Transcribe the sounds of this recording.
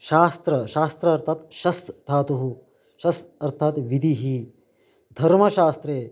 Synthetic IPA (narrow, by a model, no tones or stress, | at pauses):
ʃaːst̪ɾɐʃaːst̪ɾɐɐɾt̪ʰaːt̪ʃɐsd̪ʰʱaːt̪uɦu | ʃɐsɐɾt̪ʰaːt̪ʋid̪ʱiɦi | d̪ʱɐɾmɐʃaːst̪ɾeː